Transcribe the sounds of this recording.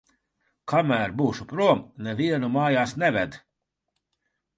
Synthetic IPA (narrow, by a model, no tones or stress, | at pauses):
kamæːɾbuːʃupɾuɔmnɛviɛnumaːjaːsnɛvɛd̪